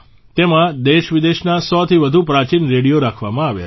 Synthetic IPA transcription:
t̪emãd̪eʃʋid̪eʃnasɔt̪ʰiʋəd̪ʱupɾat͡ʃinɾeɽijoɾakʰʋamãaʋja̰

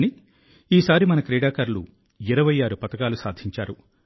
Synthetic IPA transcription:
ni | iːsaːɾimɐnɐkɾɛːɽaːkaɾlṵ | iɾɐʋɐjaːɾupɐt̪ɐkaːlusaːd̪ʱiɲt͡ʃaːɾu

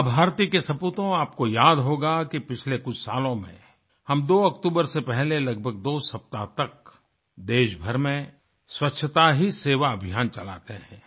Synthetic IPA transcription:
bʱaːɾt̪ikesɐpuːt̪õaːp̚kojaːd̪ɦoːɡakipɪt͡ʃʰlekʊt͡ʃʰsa̰ːlõmḛ̃ | hɐmd̪oːɐkt̪uːbəɾsepɛɦlelɐɡ̚bʱəɡ̚d̪oːsɐp̚t̪at̪ɐk̚ | d̪eːʃbʱəɾmẽ | swɐtːʃʰət̪aɦiseːʋaɐbʱijaːnt͡ʃɐla̰ːt̪eɦɛ̰̃ː

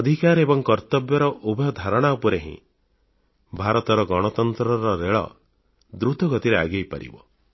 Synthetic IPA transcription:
ɔd̪ʱikaɾebɔŋkɔɾt̪ɔbjɔɾɔʔubʱɔjɔd̪ʱaɾɔɽ̃aupɔɾeɦḭ̃ | bʱaɾɔt̪ɔɾɔɡɔɽ̃ɔt̪ɔnt̪ɾɔɾɔɾeɭɔ̰ | d̪ɾut̪ɔɡɔt̪iɾea̰ɡejpa̰ɾḭbɔ̰

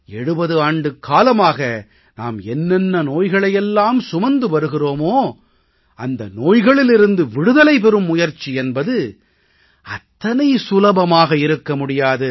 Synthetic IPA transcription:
ɛɽɯbɐðɯaːɳɖɯkʰːaːlɐmaːɣɐ | na̰ːmɛnːɛnːɐnoːjɣɐɭɐjɛlːaːmsʊmɐnd̪ɯʋɐɾɯɣɪroːmoː | ɐnd̪ɐnoːjɣɐɭɪlɪɾɯnd̪ɯʋɪɽɯðɐlɐɪp̬ɛɾɯmːʊjɐɾt͡ʃːiɛnbɐðɯ | ɐt̪ːɐnɐɪsʊlɐbɐmaːɣɐɪɾɯkːɐmʊɽɪjaːðɯ

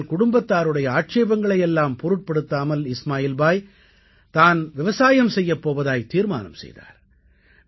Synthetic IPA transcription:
lkʊɽʊmbɐt̪ːaːɾɯɽɐjɐaːʈ̚t͡ʃeːbɐŋɡɐɭɐjɛlːaːmpɔɾɯʈ̚pɐɽɯt̪ːaːmɐlɪsmaːjiːlbaːj | t̪aːnʋɪʋɐsaːjɐmsɛjːɐpːoːʋɐðaːjt̪iːɾma̰ːnɐ̰msɛ̰jða̰ːɾ

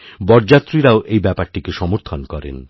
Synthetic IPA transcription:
bɔɾd͡ʑat̪ːɾiɾaoʔejbɛpaɾʈikeʃɔmoɾt̪ʰonkɔɾḛn

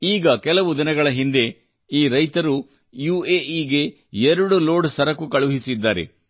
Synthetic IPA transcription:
iːɡɐkɛlɐʋud̪inɐɡɐɭɐɦind̪e̞ | iːɾɐjt̪ɐɾu | juːeːiːɡe̞ | ɛɾɐɽulo̞ːɖsɐɾɐkːukɐɭuɦisid̪ːaːɾḛ

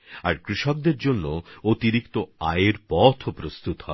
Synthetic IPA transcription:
a̰ɾkɾiʃɔk̚d̪eɾd͡ʑonːoot̪iɾikt̪oaeɾpɔt̪ʰopɾost̪ut̪hɔ

